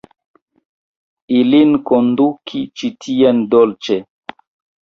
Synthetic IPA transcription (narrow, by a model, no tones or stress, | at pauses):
ilinkondukʰit͡ʃitʰiendolt͡ʃe